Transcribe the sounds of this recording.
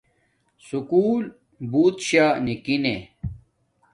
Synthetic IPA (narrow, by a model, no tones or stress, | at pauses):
sukuːl | buːt̪ɕaːnikine